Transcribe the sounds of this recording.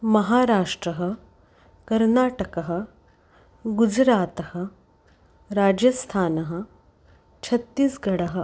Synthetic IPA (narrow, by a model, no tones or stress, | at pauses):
mɐɦaːɾaːʂʈɾɐɦə̆ | kɐɾnaːʈɐkɐɦə̆ | ɡud͡ʒɾaːt̪ɐhə̆ | ɾaːd͡ʑjɐst̪ʰaːnɐɦə̆ | t͡ɕʰɐt̪ːiːsɡɐɽɐɦə